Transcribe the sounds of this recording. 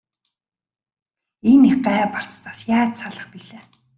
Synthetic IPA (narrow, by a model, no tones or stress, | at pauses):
eniχɢaːɛpar̥t͡st̪ʰaːsjaːt͡ɕsaɮə̆χpiɮeː